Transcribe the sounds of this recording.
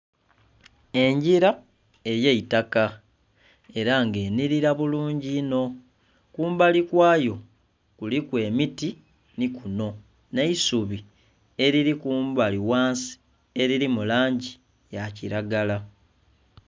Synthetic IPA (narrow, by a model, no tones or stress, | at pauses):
e̞ɲɟiɾa | e̞jeitaka | e̞ɾaŋɡe̞ːniɾiɾaβuluːɲɟino̞ | kuːmbalikwaːjo̞ | kulikwe̞ːmiti | nikuno̞ | neisuβi | e̞ɾiɾikuːmbaliwaːnsi̥ | e̞ɾiɾimulaːɲɟi | jaciɾaɡala